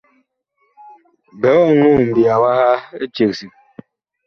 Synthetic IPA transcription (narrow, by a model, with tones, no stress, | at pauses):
bɛ˨˦ɔ˦˨ŋu˦˨m̩˨bja˨wa˦ha˦e˦t͡ʃe˨ksi˨k̚